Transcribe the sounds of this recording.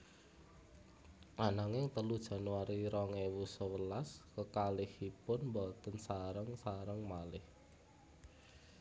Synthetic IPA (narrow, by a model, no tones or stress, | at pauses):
ʔanaŋɪŋt̪əlud̥ʒ̥a̤nuwaɾiɾɔŋɛwusəwəlaskəkalɪhipʊnmbɔt̪ənsaɾəŋsaɾəŋmalɪh